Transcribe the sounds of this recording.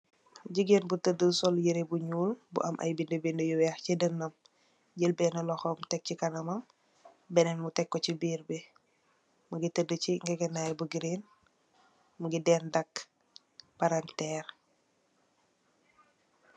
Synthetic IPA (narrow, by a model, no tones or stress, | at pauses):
ɟiɡenbutədəsɔljəɾebuɲuːlbṵʔɐmʔɐ̰jbindəbindəjuwjahcidənːɐm | ɟəlbɛnɐlɔxɔːmtɛk̚cikanɐmɐm | bɛnɛnmutɛkːɔcibiːɾbe | muɡitədəciŋɡeɡɛnːajbuɡiɾen | muɡidɛndɐk | paɾantɛːɾ